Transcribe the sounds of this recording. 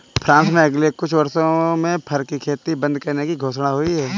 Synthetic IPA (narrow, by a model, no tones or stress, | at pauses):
pʰɾãːnsmẽɐɡlekʊt͡ʃʰʋɐɾsõmẽpʰɐɾkikʰeːt̪ibɐ̃nd̪̚kɐɾnekiɡʱoːʃnaɦoiɦɛː